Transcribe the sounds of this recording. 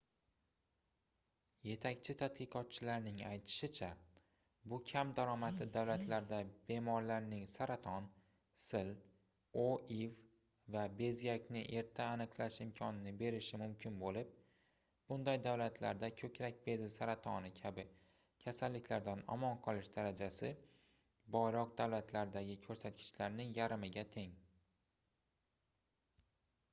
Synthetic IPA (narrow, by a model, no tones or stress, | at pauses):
je̞t̪ʰakʲt͡ʃʰɪt̪ʰat̪qɨqʰɒt̪̚t͡ʃʰɪlaɾnɪŋajt̪ʰɪ̥ʃɪt͡ʃʰa | bʊkʲʰamd̪aɾɒmat̪lɪd̪awlat̪ʰlaɾd̪abe̞mɒɾlaɾnɪŋsaɾat̪ʰɒn | sɪl | oiv | vabe̞zjakʲnɪʔe̞ɾt̪ʰaːnɨqlˠaʃɪmkʲʰɒnɪnɪbe̞ɾɪʃɪmʊmkʲɪnbolɪp̚ | b̥ʊnd̪ajd̪awlat̪ʰla̰ɾd̪akʲʰɵkʲɾak̚ʲbe̞zɪsaɾat̪ʰɒnɪkʲʰabɪ | kʲʰasalːɪkʲlaɾd̪anɒ̰mɒnqʰɒlˠɪʃd̪aɾad͡ʒasɪ | bɒjɾɒq̚d̪awlat̪ʰlaɾd̪aɡʲɪkʲʰɵɾsat̪̚kʲʰɪ̥t͡ʃlaɾnɪŋjaɾɪmɪɡʲat̪ʰe̞ŋ